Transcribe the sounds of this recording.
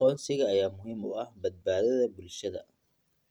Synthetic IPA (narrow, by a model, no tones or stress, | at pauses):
ɔːnsɪɣɐːjaːmʊɦiːmʊɐhbɐd̪̚baːðɐðɐbʊlʃɐðɐ̰